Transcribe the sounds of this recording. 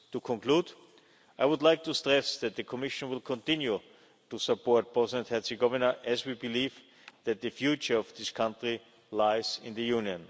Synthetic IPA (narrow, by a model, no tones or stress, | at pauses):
tukʰɔ̃nkʰluːd | aɪwʊdˡlaɪk̚tʰustɹɛsðɛt̪̚ðɨkʰɔmɪʃə̃nwɪlˠkʰɔ̃ntɪ̃nju | tusəpɔɹt̚pʰɹɛzɪdɛ̃nthɛsɨɡɔvənə˞ʔɛzwibɪliːv | ðɛt̪̚ðɨfjut͡ʃə˞ɔvðɪskʰãntɹi | laɪzɪ̃nðəjũnjə̃n